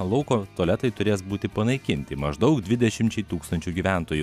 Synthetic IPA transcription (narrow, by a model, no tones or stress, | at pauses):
lˠɐʊkoːt̪uɔːlʲɛt̪ɐɪt̪ʊɾʲeːsbuːt̪ʲɪpɐnɐɪkʲɪnʲt̪ʲɪmɐʒd̪ɐʊkd̪ʲʋʲɪd̪ʲɛʃʲɪmʲt͡ʃʲɛɪt̪uːkst̪ɐnʲt͡ʃʲuːɡʲiʋʲæˑnt̪oːju